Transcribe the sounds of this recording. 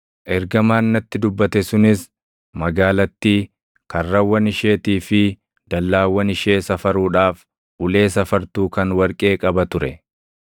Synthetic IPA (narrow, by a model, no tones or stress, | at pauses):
ʔɛɾɡɐmaːnːɐt̪ːɪd̪ʊbːɐt̪ɛsʊnɪs | mɐɡaːlɐt̪ːiː | kɐrːɐwːɐnɪʃe̞ːt̪iːfɪ | d̪̥ɐlːaːwːɐnɪʃe̞ːsɐfɐɾuːᶑaːf | ʔʊle̞ːsɐfɐɾt̪uːkɐnwɐɾkʼe̞ːkʼɐbɐt̪ʊɾɛ